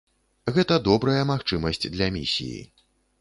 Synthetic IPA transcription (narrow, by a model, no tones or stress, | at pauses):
ɣɛt̪ɐd̪ɔbɾɐjɐmaxt͡ʂɨmɐsʲt͡sʲd̪lʲɐmʲḭsʲḭjḭ